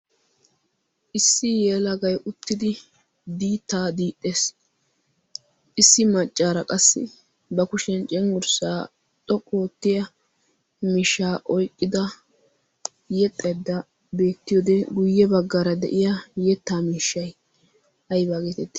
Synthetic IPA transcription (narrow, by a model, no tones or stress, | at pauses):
ʔɪsːɪjeːlɐɡɐjʔʊt̪ːɪd̪ɪ | d̪iːt̪ːaːd̪iːt̪ʼːe̞ːs | ʔɪsːɪmɐt͡ʃʼːaːɾɐkʼɐsːɪ̰ | bɐkʊʃɛnt͡ʃʼɛŋɡʊɾsaː | t̪ʼɔkʼːoːt̪ːɪjɐ | miːʃːaːʔɔjkʼːɪd̪ɐ | jɛt̪ʼːɐd̪ːɐ | be̞ːt̪ːɪjoːd̪ɛɡʊjːɛbɐɡːaɾɐd̪ɛ̰ʔɪjɐjɛt̪ːaːmiːʃːɐj | hɐjbaːɡeːt̪ɛt̪ːɪ̥